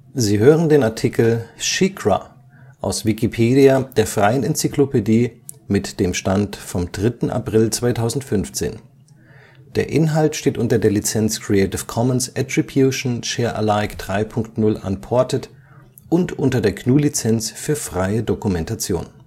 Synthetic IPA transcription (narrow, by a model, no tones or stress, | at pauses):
ziːɦøːʁəndeːnaɐtʰikl̩ʃikʁa̰ | ʔa̰ʊsv̥ikipʰeːdiad̥eːɐfʁ̥aɪənɛnt͡siklopediːmɪtd̥eːmʃtantfɔmdʁɪtn̩ʔa̰pʁ̥ɪlt͡sv̥aɪtʰaʊzn̩tfʏnft͡sḛːn | d̥eːɐʔɪnɦaltʃteːtʔʊntɐdeːɐlit͡sɛnt͡skʁ̥iɛɪtɪfkʰɔmənsʔɛtʁ̥ibjuʃn̩ʃeːɐʔə̰laɪkd̥ʁaɪpʰʊŋktnʊlʔa̰npʰɔɐtət | ʔʊntʔʊntɐdeːɐkʰnuːlit͡sɛnt͡sfyːɐfʁ̥aɪədokumɛntat͡sjo̰ːn